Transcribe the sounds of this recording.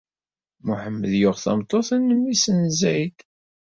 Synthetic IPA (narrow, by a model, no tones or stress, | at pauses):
muħəmːəðjʊʁθɑ̰mt̪ˤːoθænːəmːisənzæjd̪